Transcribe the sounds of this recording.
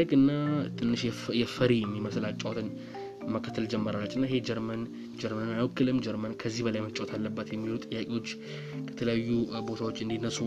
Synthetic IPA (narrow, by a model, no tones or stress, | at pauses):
əɡɨnːat̪ʰɨnːɨʃjɛfəɾijɛmːiməsɨlat͡ʃʼːawt̪ʰɨn | məkʰːə̥t̪ʰːəld͡ʒɛmːəɾalːət͡ʃːɨnːaeɦe̞d͡ʒɛɾmən | d͡ʒɛɾmənɨnːajwɔkʰːɨlɨmd͡ʒɛɾmənkʰəzːihbəlajmət͡ʃʼawt̪ʰalːəbːat̪jɛmːilut̪ʼɨjːakʼewo̞t͡ʃː | kɛt̪ʰələjajːubo̞t̪ʰawot͡ʃːɨnd̪inːəsu